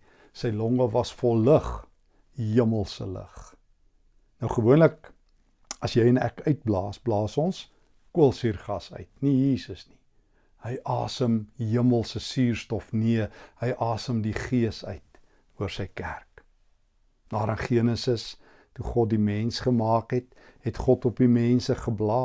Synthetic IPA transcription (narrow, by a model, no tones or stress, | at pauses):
səjlɔŋəvɐsfɔlːəχ | ɦiəməlˠsə̰lə̰χ | nəwχəvuənlək̚ | ɐsjɛjənæ̰kœɥt̚blɑːsblɑːsɔns | kuəlˠsirχɐsœ̰ɥt̚nijiːsəsni | həjʔɑːsəmɦiəməlˠsəsiːrstɔfniəhəjʔɑːsəmdiχiəsœ̰ɥt | uərsəjkærk | dɑːɾənχiənəsəs | tuχɔt̚dimɛnsχəmɑːkɦɛt | ɦɛtχɔtɔpimɛnsəχəblɑː